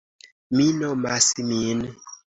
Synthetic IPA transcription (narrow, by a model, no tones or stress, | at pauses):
minɔmasimin